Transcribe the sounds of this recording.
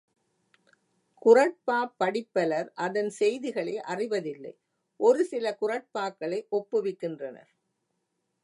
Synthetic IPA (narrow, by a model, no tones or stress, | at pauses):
kʊrɐʈ̚paːpːɐɽɪpːɐlɐɾʔɐðɐnsɛjðɪɣɐɭɐɪʔɐrɪʋɐðɪlːɐ̰ɪ | ʔɔɾɯsɪlɐkʊrɐʈ̚paːkːɐɭɐɪʔɔpːɯʋɪkːɪndrɐnɐ̰ɾ